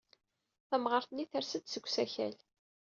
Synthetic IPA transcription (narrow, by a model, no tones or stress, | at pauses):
θæmʁəɾθnːiθæɾsəd̪səɡʷːsæçæ̰l